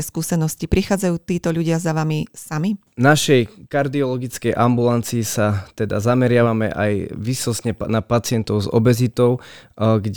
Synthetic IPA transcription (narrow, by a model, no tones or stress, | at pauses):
ɛskuːsɛnɔscipɾixaːd͡zajuːt̪iːt̪ɔʎuɟɪazaʋamisami | naʃɛjkaɾd̪iɔlɔɡit͡skɛjʔambulant͡siisat̪ɛd̪a̰zamɛɾɪaʋamɛ̰ʔajʋisɔsɲɛnapat͡sɪɛnt̪ɔʊzɔ̰bɛzit̪ɔʊɡɟ